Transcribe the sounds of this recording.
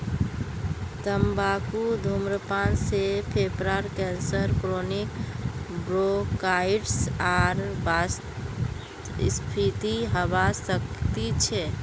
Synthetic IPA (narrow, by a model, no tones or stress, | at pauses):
t̪əmbakud̪ʱumɾəpansepʰepɾaɾkɛnsəɾkɾonikbɾokaiɖsaɾbas | spʰit̪iɦəbasək̚t̪it͡ʃʰɛ